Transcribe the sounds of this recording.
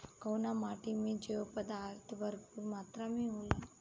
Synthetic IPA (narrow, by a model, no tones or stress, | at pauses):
kəwnamaʈimiːd͡ʒeʋpəd̪aɾt̪ʰbəɾpuːɾmat̪ɾamiɦola